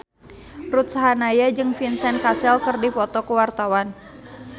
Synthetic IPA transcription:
rut̪̚saɦanajad͡ʒɨŋfinsɛnkasɛlkɨrdipɔt̪ɔkəwart̪awan

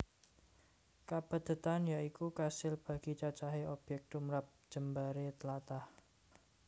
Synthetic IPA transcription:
kab̥ə̤d̪̥ə̤t̪anjaikukasɪlb̥ä̤ɡ̥it͡ʃat͡ʃaɦeʔob̥jɛk̚t̪umɾap̚d̥ʒ̥ə̤mbaɾet̪lat̪ah

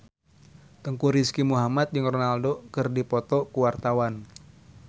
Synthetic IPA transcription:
t̪əŋkuɾiskimuɦamat̪̚d͡ʒɨŋrɔnaldokɨrdipɔt̪ɔkuwart̪awan

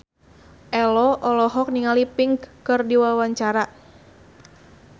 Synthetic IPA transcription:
ʔɛlɔʔɔlɔɦɔk̚niŋalipɪŋɡkɨrdiwawaɲt͡ʃaɾa

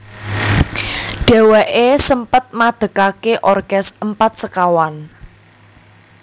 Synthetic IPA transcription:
ɖ̥ɛ̤wɛʔesəmpət̪̚mad̪̥ə̤kakeʔɔrkɛsəmpat̪̚səkawan

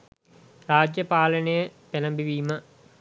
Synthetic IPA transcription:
raːd͡ʑjɐpaːlɐnejəpelɐmbiʋiːmɐ

